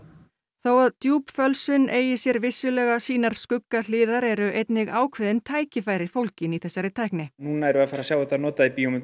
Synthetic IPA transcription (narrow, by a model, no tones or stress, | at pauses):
θoːwaðt̪juːpfœlsʏnʔeːjɪsjɛɾvɪsːʏlɛɣasiːnaɾ̥skʏkːalɪːðaɾɛɾʏʔejt̪nɪɣaːwkʰvɪðɪnt̪ʰaːjcɪfaːjɾɪ̥fowlcɪniθɛsːaɾɪt̪ʰajhknɪnuːnaaɛɾʏaðfaːɾasjaːwɛt̪anɔːt̪aðipiomɪ